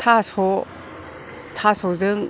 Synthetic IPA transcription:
tʰasɔ | t̪ʰasɔzɯŋ

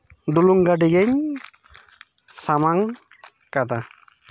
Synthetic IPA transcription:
ɖuluŋɡaɖiɡɛɲ | samaŋ | kad̪a

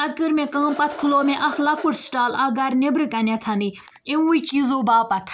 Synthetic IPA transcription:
ɐd̪̚kɨɾmẽkãːmpɐt̪ʰkʰloːmẽʔɐxlɐkuʈsʈaːlɐɡɐɾnebɾɨkɐnʲat̪ʰani | iut͡ʃiːzoːbaːpɐt̪ʰ

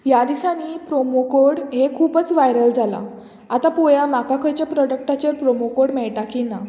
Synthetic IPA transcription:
jad̪isanipɾomokoɽɦekʰːuːpət͡sʋajɾəld͡zala̰ | at̪apojamakakʰəjt͡ɕjapɾɔɖək̚ʈat͡ɕəɾpɾomokoɽmɛɭʈakina

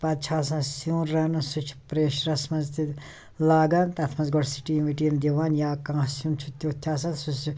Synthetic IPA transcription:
pɐd̪̚t͡ʃʰaːsɐ̃nsũːnɾɐnɐsut͡ʃʰpɾeːʃɾɐsmɐzt̪i | laːɡɐnt̪ɐt̪ʰmɐnzɡɔɽsi̥ʈiːʋiʈiːnd̪iʋaːnjaːkãːsũːnt͡ʃʰut̪ʲːoːt̪ʰjaːs̬ɐnsus

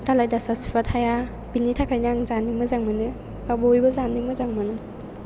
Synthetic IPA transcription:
talajdasasu̥pʰatʰaja | binitʰakʰajnaŋzanimɯzaŋmɯnɯ | babɔjbɔzanimɯzaŋmɯnɯ

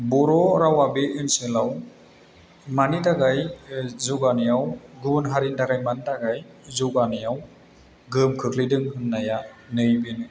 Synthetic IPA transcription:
bɔɾɔɾawabeʔɯnsɯlaw | manitaɡajzuɡanijawɡunɦaɾintaɡajmantaɡaj | zuɡanɯjaw | ɡɯmkʰɯkʰlidɯŋhɯnːajanɯjbinɯ

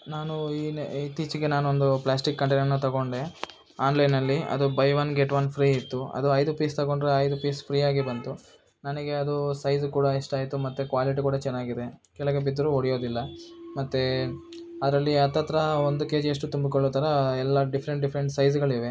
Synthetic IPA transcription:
naːnuiːit̪ːiːt͡ʃiɡe̞naːnuond̪uplaːsʈikːɐɳʈenɐnːut̪ɐɡo̞ɳɖe | aːnlɐjnɐlːiɐ̰d̪ubɐjʋɐnɡeʈʋɐnpʰɾiːit̪ːuɐ̰d̪uɐjd̪upiːst̪ɐɣo̞ɳɖɾeɐjd̪upiːspʰɾiːaːɡibɐnt̪u | nɐnɐɡe̞ɐd̪usɐjzukuːɽɐiʂʈaːjt̪umɐt̪ːekʋaːliʈikuːɽɐt͡ʃɛnːaːɡid̪ekɛɭɐɡebid̪ːɐɾuoɽijo̞ːd̪ilːɐmɐt̪ːe | ɐd̪ɐɾɐlːiɐt̪ːɐt̪ɾɐond̪uke̞ːd͡ʒɐʂ̬ʈut̪umbikoɭːoːt̪ɐɾɐɛlːɐɖipʰɐɾe̞ɳʈ̚ɖipʰɐɾeɳʈsɐjd͡ʒɡɐɭiʋe

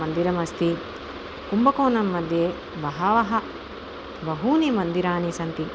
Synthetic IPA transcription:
ɐnd̪iɾɐmɐst̪i | kumbɐkoːnɐmːɐd̪ʱje | bɐɦɐʋɐɦɐ | bɐɦuːnimɐnd̪iɾaːnisɐnt̪i

